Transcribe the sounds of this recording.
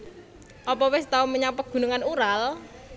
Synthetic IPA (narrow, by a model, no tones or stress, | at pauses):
ʔɔpɔwɪst̪auməɲapəɡ̥ṳnuŋanuɾal